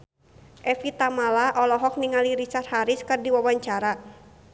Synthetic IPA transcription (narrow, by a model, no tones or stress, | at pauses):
ʔɛfit̪amalaʔɔlɔɦɔk̚niŋaliɾit͡ʃart̪̚haɾɪskɨrdiwawaɲt͡ʃaɾa